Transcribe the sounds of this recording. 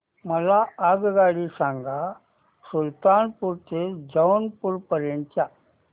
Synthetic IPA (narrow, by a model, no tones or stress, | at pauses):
mɐlaːaːɡɯɣaːɽisaːŋɡa | sult̪aːnpuɾt̪ɯd͡ʒɐwnpuɾpɐɾeɳt͡ʃa